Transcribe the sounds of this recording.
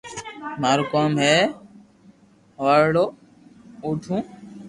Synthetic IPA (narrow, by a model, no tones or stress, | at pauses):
maːɾoːkaːmɦeː | aːɾɽoː | uːʈʰũː